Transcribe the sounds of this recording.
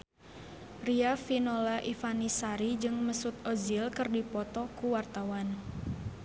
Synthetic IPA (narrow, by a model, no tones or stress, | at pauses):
riafinolaʔifanisaɾid͡ʒɨŋməsut̪̚ozilkɨrdipɔt̪ɔkuwart̪awan